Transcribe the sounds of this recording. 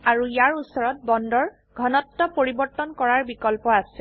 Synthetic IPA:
aɹuijaɹusɔɹɔt̚bɔndɔɹ | ɡʱɔnɔtːɔpoɹibɔɹtɔnkɔɹaɹbikɔlpɔasɛ

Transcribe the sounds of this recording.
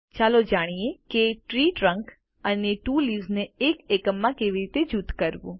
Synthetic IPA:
t͡ʃaːlod͡ʒaːɽ̃ijekeʈɾiːʈɾə̃ŋk | əneʈuːliːznẽeːkeːkəmːãkeːʋiɾiːt̪ed͡ʒut̪kəɾbuː

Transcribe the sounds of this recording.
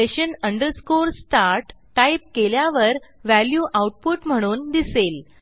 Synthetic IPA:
eɕənəɳɖəɾskoɾsʈaɾʈːaip̚keljaʋəɾʋæljuːʔawʈ̚puʈm̤əɽ̃uːnd̪isel

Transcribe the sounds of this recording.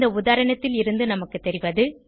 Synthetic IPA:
d̪ɐʊðaːɾɐɳɐt̪ːɪlɪɾɯnd̪ɯnɐmɐkːɯt̪ːɛɾɪʋɐðɯ

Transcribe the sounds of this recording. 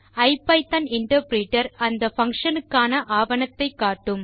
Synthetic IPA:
ɐɪpːɐɪt̪ɐnɪɳʈɐɾpɾiːʈːɐɾɐnd̪ɐfɐŋkʂɐnɯkːaːnɐʔaːʋɐnɐt̪ːɐɪkːaːʈːɯm

